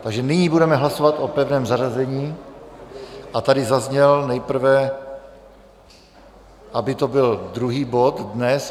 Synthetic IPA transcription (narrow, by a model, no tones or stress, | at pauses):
t̪aɡʒɛnɪɲiːbudɛmɛɦlaso̞vat̪ʔopɛvnɛːmzaʒazɛɲiː | ʔat̪adɪzazɲɛlnɛjpr̩vɛ | ʔabɪt̪o̞bɪld̪ɾuɦiːbo̞t̪dnɛs